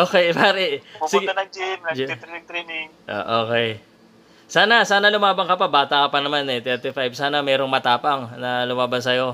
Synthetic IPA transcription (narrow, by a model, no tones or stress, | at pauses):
ʔoːkɛjpaːɾɛpusɪʊɡt̪ɐnɐŋd͡ʒɪnɐd͡ʒ̪ɾiɪŋt̪ɾinɪŋʔo̰ːʔoːkɛj | saːnɐsaːnɐlʊmaːbɐŋkɐpɐbaːt̪ɐkɐpɐnɐmanɛt̪ɛɾt̪ɪfajbsaːnɐmɛːɾo̞ŋmɐt̪aːpɐŋnɐlʊmaːbɐnsɐjo̞